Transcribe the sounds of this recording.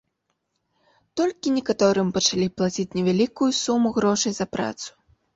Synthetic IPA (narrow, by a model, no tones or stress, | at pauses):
t̪ɔlʲkʲinʲɛkat̪ɔɾɨmpɐt͡ʂalʲiplˠat͡sʲit͡sʲnʲɛvʲalʲikujusumuɣɾɔʂɐjzɐpɾa̰t̪su̥